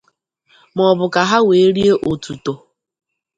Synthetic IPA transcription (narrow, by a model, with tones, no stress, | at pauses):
mɔ˨bʊ˨ka˨ɦa˦we˨˦ɾi˦e˦ʔo˨tu˨to˨